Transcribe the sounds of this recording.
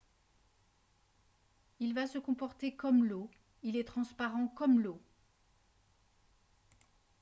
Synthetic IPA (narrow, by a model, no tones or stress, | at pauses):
ilvasəkɔ̃pɔʁt̪ekɔmlo | ilɛt̪χɑ̃spaʁɑ̃kɔmlo